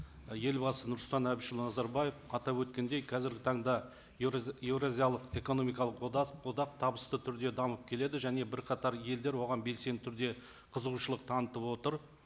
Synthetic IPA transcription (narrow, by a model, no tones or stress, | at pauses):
je̞lbɑsənʊɾslt̪ɑnæbɪʃɪlˠnɑzɑɾbɑje̞fɑt̪ɑwɵt̪̚kʲe̞nd̪ejkʰɑzɪɾɡʲɪt̪ʰɑɴd̪ɑ | je̞vɾazijalˠəqe̞ko̞no̞mijkɑlˠəqood̪ɑq̚t̪ʰɑbəst̪ət̪ʰʏɾd̪e̞d̪ɑməp̚kʲʰe̞le̞d̪ɪʒæne̞bɪɾqʰɑt̪ɑɾje̞ld̪e̞ɾwo̞ʁɑnbe̞lse̞nt̪ʰʏɾd̪e̞ | qʰəzəʁuʃəlˠəq̚t̪ʰɑnət̪əpwo̞t̪əɾ